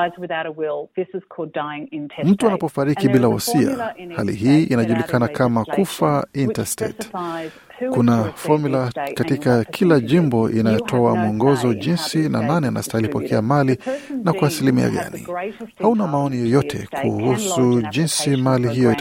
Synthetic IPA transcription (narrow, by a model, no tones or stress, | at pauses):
ɪzwɨðaʊɾəwɪlˠðɪsɨz̥kʰɔlˠdaɪɪ̃ŋɪ̃ntʰm̩tuanapɔfaɾikibilahɔ̰sia̰halḭɦiːʔinaʄulikʰanakamakufaintastɛ̰t | kunafɔmilakatikakʰilaʄimbɔʔinajɔtʰɔamuɔŋɡɔzɔʄinsina̰nanɛana̰stahilipɔkʰɛamalinakwasilimia̰ɠa̰nḭhaunamaɔnijɔjɔtʰɛkʰuhusuʄinsimaliɦijɔi